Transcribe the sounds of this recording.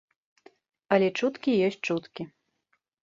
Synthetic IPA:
ɐlʲɛt͡ʂut̪kʲijɔs̚ʲt͡ʂut̪kʲi

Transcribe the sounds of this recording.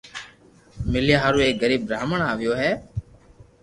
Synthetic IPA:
mɪlɪjaːɦaːɾuːeːɡəɾiːbɾaːməɳaːʋɪjoːɦɛː

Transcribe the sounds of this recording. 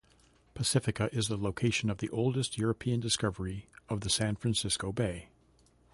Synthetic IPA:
pʰɨsɪfɨkɨʔɪzðəloʊkʰeɪʃɨ̃nʌvðiʔoʊlˠdɨst̚jʊɹɨpʰiɨ̃ndɨskʌvə˞iʌvðɨsæ̃nfɹæ̃nsɪskoʊbeɪ

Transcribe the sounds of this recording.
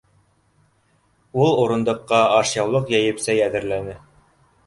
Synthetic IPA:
ulˠuɾɤ̆nd̪ɤ̆qːɑɑʃjɑwlˠɤqjæjɘ̆psæjæðɘ̆ɾlænɘ

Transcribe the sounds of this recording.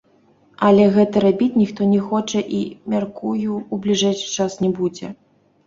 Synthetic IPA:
ɐlʲɛɣɛt̪ɐɾabʲit͡sʲnʲixt̪ɔnʲɛxɔt͡ʂɐʔimʲarkujuːblʲiʐɛjʂɨ̥t͡ʂasnʲɛbud͡zʲɛ̰

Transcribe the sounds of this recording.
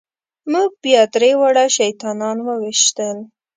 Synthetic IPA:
muɡ̚bjɑt̪ɾewaɽaʃajt̪ɑnɑnwəwiʃt̪əl

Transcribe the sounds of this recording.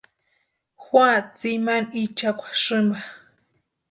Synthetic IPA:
xwat͡simanit͡ʃakʷḁʂɨmba

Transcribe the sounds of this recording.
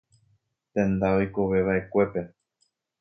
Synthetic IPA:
t̪ẽ̞nd̪aojkoʋe̞βaʔe̞kʷe̞pe̞

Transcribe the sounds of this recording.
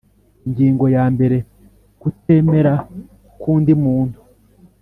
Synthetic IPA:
iɲɟiːŋɡo̞jaːmbe̞ɾe̞ | kute̞me̞ɾa | kuːndimuːntu

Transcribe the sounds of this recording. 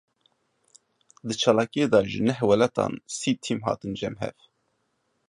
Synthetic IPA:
d̪ɨt͡ʃʰɑːlɑːkijed̪ɑːʒɨnɛɦwɛlɑt̪ɑ̰ːnsiːt̪ʰimɦɑ̰ːt̪ɨnd͡ʒɛmɦɛ̰v

